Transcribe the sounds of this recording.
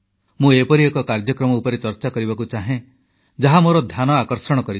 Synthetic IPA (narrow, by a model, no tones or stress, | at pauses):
mũepɔɾiekɔkaɾd͡ʒɔkɾɔmɔupɔɾet͡ʃɔɾt͡ʃakɔɾibakut͡ʃaɦẽ | d͡ʒaɦamoɾɔd̪ʱjanɔakɔɾsɔɽ̃kɔɾi